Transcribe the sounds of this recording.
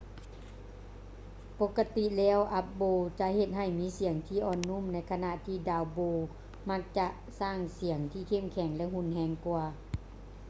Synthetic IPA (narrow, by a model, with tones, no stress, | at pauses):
po˧˥kːa˧t̪i˧˨lɛː˦˧˩wʔa˧˦p̚boː˧t͡ɕa˧ʔhe˧˩t̪̚ɦa˧˩jmiː˨˦˥si˨˩˦əŋt̪ʰiː˧˥˨ʔɔː˧˩nːu˧˥˨mna˧˥jkʰa˧na˧ʔt̪ʰiː˧˩daː˧˩wboː˧ | ma˧˥k̚t͡ɕa˧ʔ | saː˧˥˩ŋsi˨˩˦əŋt̪ʰiː˧˩kʰe˧˩˨mkʰɛ˨˦ŋlɛ˧hu˧˥˨nɦɛː˧˩ŋkwaː˧